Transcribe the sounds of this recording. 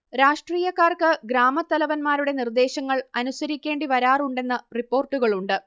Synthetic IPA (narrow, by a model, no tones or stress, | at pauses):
ɾaːʂʈriːjɐkːaːrkɨɡɾaːmɐt̪ːɐlɐʋɐnmaːɾuɽe̞nird̪e̞ːɕɐŋːɐɭɐnusɐɾikʲːe̞ːɳɖiʋɐɾaːruɳɖe̞nːɐripːo̞ːrʈːuɣɐɭuɳɖɨ